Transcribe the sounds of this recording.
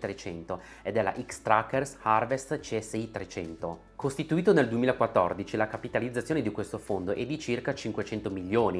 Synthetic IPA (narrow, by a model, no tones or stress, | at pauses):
t̪ɾet͡ʃɛnt̪o | ed̪ɛlːa̰ʔikst̪ɾakːersharvest̪t͡ʃɛsːeit̪ɾet͡ʃɛnt̪o | kost̪it̪uiːt̪oneld̪uemiːlakwat̪ːɔ̰rd̪it͡ʃilakapit̪alid̪zːat̪sjoːned̪ikwest̪ofond̪oʔɛd̪ːit͡ʃirkat͡ʃiŋkwet͡ʃɛnt̪omilːoːni